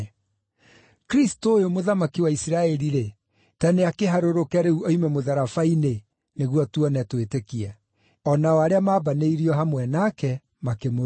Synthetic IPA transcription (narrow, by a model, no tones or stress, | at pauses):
kɾistoːjomoðamakiwaisiɾaɛɾiɾe | taneakeɦaɾoɾokɛɾeuɔimɛmoðaɾafaine | neɣwɔtuɔnɛtwetekia | ɔnaɔaɾeamaːbaneiɾiɔɦamwɛnakɛ | makemo